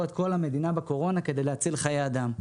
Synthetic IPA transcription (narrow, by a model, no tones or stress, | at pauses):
et̪ko̞lame̞d̪inabeko̞ʁo̞nake̞d̪e̞jleat͡silχajeaːd̪am